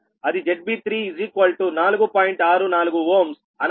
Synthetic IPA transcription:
ɐd̪id͡ʒeʈ̚biːt̪ʰɾiːzikʋɐlʈunaːluɡupaːjiɳʈaːɾunaːluɡuʋoːms | ɐn

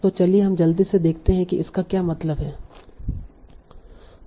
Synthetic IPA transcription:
t̪ot͡ʃɐlieɦɐmd͡ʒɐld̪ised̪eːkʰt̪eɦɛ̃kiɪskakjaːmɐt̪ləbɦɛː

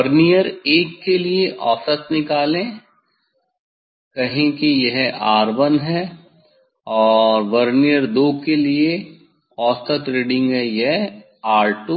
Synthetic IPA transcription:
ʋɐɾnijəɾeːkːelieʔɔːsət̪nɪkaːlẽ | kɐɦẽkijɐɦaːɾʋənɦɛ | ɔːɾʋɐɾnijəɾd̪oːkelie | ɔːst̪ət̪ɾeːɖɪ̃ŋɡɦɛjɛɦ | aːɾʈu

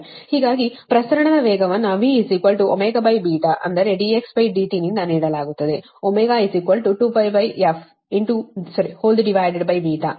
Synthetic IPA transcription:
hiːɡaːɡipɾɐsɐɾɐɳɐd̪ɐʋɛːɡɐʋɐnːuɐʋiːsikʋɐlʈuomeːɡɐbɐjbiːʈ̪aʔɐnd̪ɐɾeɖieksbɐjɖiːʈinind̪ɐniːɽɐlaːɡut̪ːɐd̪e | omeːɡaːisikʋɐlʈuʈuːpɐjbɐjefʰ | iɳʈusɐɾihoːld̪ɖiʋaːjɖeɖ̚bɐjbiːt̪aː

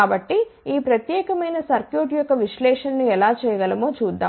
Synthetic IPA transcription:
aːbɐʈːiiːpɾɐt̪jɛːkɐmɐjnɐsɐɾkjoːʈjɔkːɐʋiʂlɛːʂɐnːuɛlaːt͡ʃɛːjɐɡɐlɐmo̞ːt͡ʃuːd̪ːa̰ː

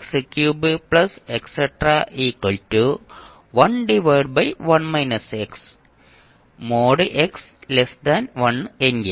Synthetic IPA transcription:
eksekjuːbiplɐsekseʈraʔiːkwɐltu | ʋɐnɖiʋɐjɖbɐjʋɐnmɐjnɐseks | moːɖiʔeks | lesd̪ɐnʋɐnenɡi

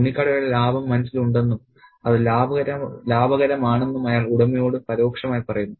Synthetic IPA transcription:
unːikʲːaːɽɐjɐɽɐlaːbɐmːɐnɐsːiluɳɖe̞nːum | ɐðɨlaːbɐɣɐɾɐlaːbɐɣɐɾɐmaːɳe̞nːumɐjaːɭuɽɐmijo̞ːɽɨpɐɾo̞ːkʂɐmaːjipɐrɐjunːu

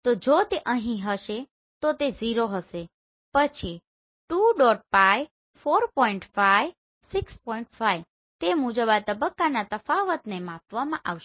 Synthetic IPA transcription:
t̪od͡ʒot̪eʔəɦĩɦəʃe | t̪ot̪eziɾoɦəʃe | pət͡ʃʰi | ʈuɖoɖ̚paj | foɾpɔiɳʈfajʋ | sɪkspɔiɳʈfaj | t̪emud͡ʒəbat̪əbəkːanat̪əfaʋət̪nemãpʋamãʔaʋʃ

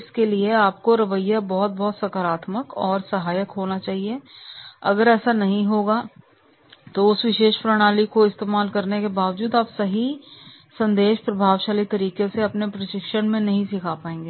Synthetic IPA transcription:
ɪskelieaːpkoɾɐʋəjːabɔɦʊt̪̚bɔɦt̪sɐkəɾaːt̪məkɔːɾsɐɦaːjəkɦoːnat͡ʃaːɦie | ɐ̰ɡəɾɛːsanɐɦĩɦoːɡa | t̪oʊsʋɪʃeːʃpɾɐɽ̃aːlikoɪst̪eːmaːlkɐɾnekebaːʋəd͡ʒuːd̪aːpsɐɦi | sɐ̃nd̪eːʃpɾɐbʱaːʋʃaːlit̪ɐɾiːkeseɐpnepɾɐʃɪkʃəɽ̃mẽnɐɦĩsɪkʰapaːẽːŋɡeː

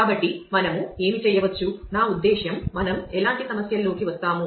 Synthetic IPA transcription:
aːbɐʈːimɐnɐmue̞ːmit͡ʃɛjːɐʋɐt͡ʃːunaːud̪ːeːʃjɐmːɐnɐmɛlaːɳʈisɐmɐsjɐlːoːkiʋɐst̪aːmu

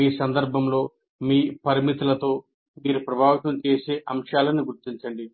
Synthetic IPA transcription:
iːsɐnd̪ɐɾbʱɐmlo̞ː | miːpɐɾimit̪ulɐt̪o̞ː | miːɾupɾɐbʱaːʋit̪ɐmt͡ʃe̞ːseːʔɐmʂaːlɐniɡuɾt̪iɲt͡ʃɐɳɖi

